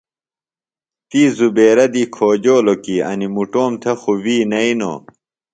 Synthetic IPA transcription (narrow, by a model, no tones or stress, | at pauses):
t̪iːzubeːɾɐd̪iːkʰoːd͡ʑoːlokiɐ̰nimuʈoːmt̪ʰɐxuwiːnɐino̰ː